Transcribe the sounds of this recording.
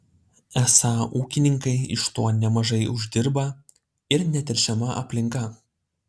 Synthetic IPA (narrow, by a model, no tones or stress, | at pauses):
ɛsɑːuːkʲɪnʲɪŋkɐɪɪ̰ʃt̪oːnʲɛmɐʒɐɪʊʒʲd̪ʲɪɾbɐ | ɪɾnʲɛt̪ʲɪɾʲʃʲɛmɐʔɐ̰pʲlʲɪŋˑkɐ